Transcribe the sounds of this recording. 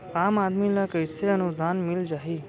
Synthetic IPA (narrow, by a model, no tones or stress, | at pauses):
aːmaːd̪milɐkəjseənud̪ʱaːnmild͡ʒaɦi